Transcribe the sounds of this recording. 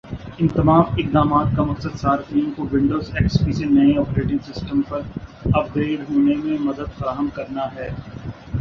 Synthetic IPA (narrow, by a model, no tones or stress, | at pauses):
ɪ̃nt̪ɐmaːmɪqd̪aːmaːt̪̚kamɐqsəd̪saːɾfiõkoʋɪ̃ɳɖoːzeːkspisenɐeɔːpɾeːʈɪ̃ŋɡsɪsʈəmpɐɾɐp̚d̪eːɖɦoːnemẽmɐd̪əd̪fɐɾaːɦəmkɐɾnaɦɛː